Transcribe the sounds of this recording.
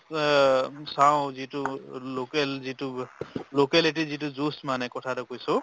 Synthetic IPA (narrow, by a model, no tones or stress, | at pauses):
saʊ̃zitulokɛlzitʊlokɛlit̬izituzusmanɛkɔtʰatukojsʊ̃